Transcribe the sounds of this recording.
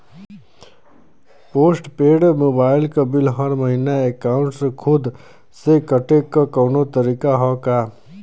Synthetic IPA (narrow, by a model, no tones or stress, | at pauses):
poːsʈpeːɽmoːbaːɪlkabɪlɦɐɾməɦinaekaːʊ̃ɳʈskʰʊd̪ | sekəʈekːakɔːnot̪əɾiːkaɦɔkaː